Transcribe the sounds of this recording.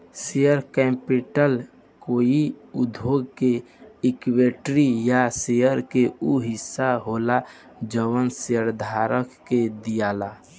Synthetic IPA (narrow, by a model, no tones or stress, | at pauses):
sejəɾkɛmpiʈəl | koːiud̪ʱoɡke | ikweʈɾijasejəɾkeuɦɪsːaɦola | d͡ʒəwənseəɾd̪ʱaɾəkːed̪ijala